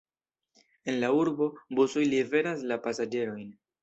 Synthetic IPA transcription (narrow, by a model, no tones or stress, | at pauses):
e̞nlauɾbo̞bosojlive̞ɾaslapasad͡ʒe̞ɾo̞jn